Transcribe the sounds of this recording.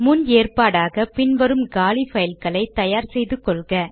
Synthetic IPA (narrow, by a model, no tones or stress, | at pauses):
mʊneːrpaːɽaːɣɐpɪnʋɐɾɯmɡaːlifɐjɪlkɐɭɐɪt̪ːɐjaːɾsɛjðɯkːɔɭɣɐ